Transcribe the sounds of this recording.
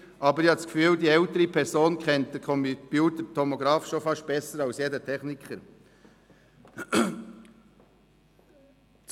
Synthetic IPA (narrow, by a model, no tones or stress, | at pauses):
ʔɑːbəɾɪhɑtskfyːldiːɛltəɾipʰɛɾsoːnkʰɛnt̚d̥ɛkʰɔmpjuːtətʰɔmɔɡɾɑːfʃofɑʃt̚b̥ɛsəɾɑlsjeːdətʰɛχnɪkχəɾ | t͡s